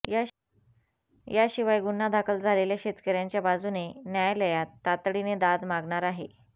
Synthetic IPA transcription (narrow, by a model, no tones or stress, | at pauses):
j | jaɕiʋajɡun̤ːad̪ʱakʰəld͡zʱaleljaɕet̪kəɾjaɲt͡ɕjabad͡zunenjajləjat̪ːat̪ɽined̪ad̪maɡɳaɾaɦe